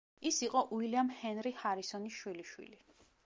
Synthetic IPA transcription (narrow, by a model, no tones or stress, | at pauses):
isiqʼɔʔuiliamhɛnɾihaɾisɔniʃwiliʃwḭli